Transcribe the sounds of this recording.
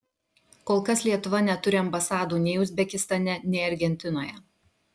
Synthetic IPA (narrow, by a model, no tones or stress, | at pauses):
koːlˠkɐslʲiɛt̪ʊʋɐnʲɛt̪ʊɾʲɪɐmbɐsɑːd̪uːnʲɛɪʊzʲbʲɛkʲɪst̪ɐnʲɛnʲɛɪɐɾʲɡʲɛnʲt̪ʲɪnoːjɛ